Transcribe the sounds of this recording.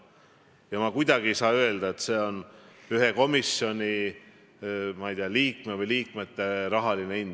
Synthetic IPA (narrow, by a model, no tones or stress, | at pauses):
jɑmɑkujd̪̥ɑɡ̥isɑːøe̞ld̪̥ɑet̪se̞ːo̞nyɦeko̞misjo̞nʲi | mɑijd̪iɑliːkmevɨjliːkmet̪ːe̞ɾɑɦɑlinein